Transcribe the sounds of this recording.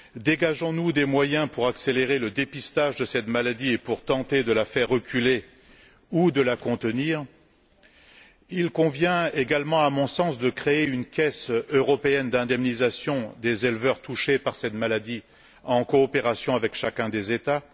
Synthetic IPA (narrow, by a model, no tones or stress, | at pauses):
d̪eɡaʒɔ̃nud̪emwajɛ̃puʁakseleʁeləd̪epist̪aʒd̪əsɛt̪malad̪iepuʁt̪ɑ̃t̪ed̪əlafɛʁːəkʲyle | ud̪əlakɔ̃t̪əniːʁ | ilkɔ̃vjɛ̃eɡalmɑ̃amɔ̃sɑ̃sd̪əkχeeynkʲɛsøʁɔpeɛnd̪ɛ̃d̪ɛmnizasjɔ̃d̪ezelvœʁt̪uʃepaʁsɛt̪malad̪i | ɑ̃kɔːpeʁasjɔ̃avɛkʃakʲɛ̃d̪ezet̪a